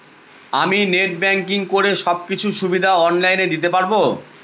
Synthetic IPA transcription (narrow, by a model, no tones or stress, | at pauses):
amineʈ̚bɛŋk̬iŋkoɾeʃɔb̚kit͡ɕʰuʃubid̪ʱaɔnlajned̪it̪̬epaɾbo